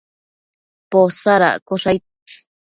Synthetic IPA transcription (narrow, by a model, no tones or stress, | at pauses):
posaɾa̰koʂaj